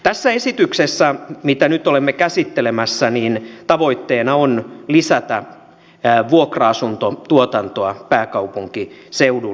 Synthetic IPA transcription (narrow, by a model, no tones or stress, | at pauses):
t̪æsːæesit̪yksesːæmit̪ænyt̪olemːekæsit̪ːelemæsːæniːnt̪ɑʋo̞it̪ːeːnɑonlisæt̪æ | ʋuokrɑɑsunt̪ot̪uot̪ɑnt̪oɑpæːkɑupuŋkiseudu